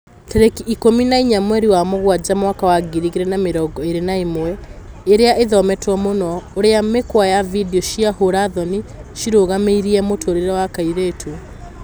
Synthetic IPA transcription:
tɛɾekiːkominaiɲamwɛɾiwamoɣwad͡ʑamwakawaɡiɾiɣeɾɛnameɾɔɡɔeɾenaemowɛ | eɾeaʔeðɔmɛtwɔmonɔoɾeamekwajavidiɔʃiahoɾaðɔniʃiɾoɣameiɾiɛmotʰoɾeɾɛwakaiɾetʰu

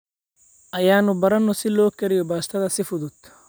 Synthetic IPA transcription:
ʔɐjaːnʊbɐɾɐnɔsɪlɔːkʰɐɾɪjɔbaːst̪ʰɐðɐsɪfʊðʊd̪̥

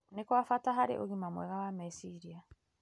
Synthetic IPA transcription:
nekwafataɦaɾḛʔoɣimamwɛ̰ɣawamesiɾia

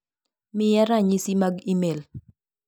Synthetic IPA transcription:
mɪjɛɾaɲisimaɡimel

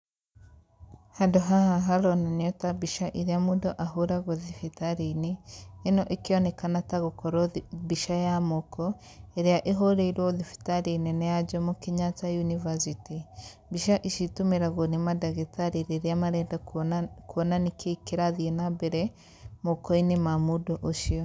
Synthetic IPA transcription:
hadoɦahaɦaɾonanijotabiʃaʔiɾiamudoʔaɦuɾaɣoðifitaɾinienoʔekionekanataɣukʰoɾobiʃajamoko | eɾjaʔeɦoɾeiɾwoðifi̥taɾininejad͡ʒamukiɲat͡sajunivasiti | biʃaʔiʃitumiɾaɣonemadaɣetaɾiɾeɾiamaɾeːndakuβonanikʰekiɾaðienabeɾe | mokoinimamudoʔoʃio

